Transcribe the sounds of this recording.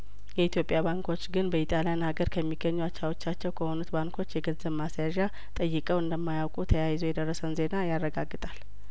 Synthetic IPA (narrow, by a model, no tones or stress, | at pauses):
jɛit̪jo̞pʼːjaβaŋkʰo̞t͡ʃːɡɨnbəit̪ʼalijanhaɡəɾkʰəmːiɡəɲːuat͡ʃːawo̞t͡ʃːat͡ʃːɛwkʰəho̞nut̪baŋkʰo̞t͡ʃːjɛɡənzəβmasjaʒa | t̪ʼəjːɨkʼəwɨnd̪əmːajawkʼut̪ʰəjajɪzowjɛd̪ərːəsənze̞najarːəɡaɡːɨt̪ʼal